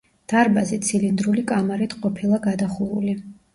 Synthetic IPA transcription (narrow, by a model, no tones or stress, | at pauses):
d̪̥aɾbazit̪sʰilind̪ɾulikʼamaɾit̪ʰqʼɔpʰilˠaɡad̪aχuɾṵli